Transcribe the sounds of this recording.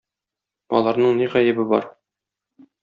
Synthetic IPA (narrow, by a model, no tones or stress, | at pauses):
ɒ̰lˠɑɾnɤɴniʁæjɘ̆bɘbɒ̰ɾ